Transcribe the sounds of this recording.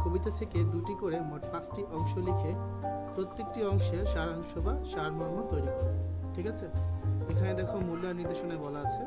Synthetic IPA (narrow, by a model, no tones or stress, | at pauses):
kobit̪at̪ʰeked̪uʈikoɾemoʈpãt͡ɕʈiʔɔŋʃolikʰepɾot̪ːek̚ʈiɔŋʃeɾʃaɾanʃobʱaʃaɾmaɦot̪ojɾikoʈʰikat͡ɕʰeekʰaned̪ɛkʰomulːaniɾd̪eʃonebɔlaat͡ɕʰe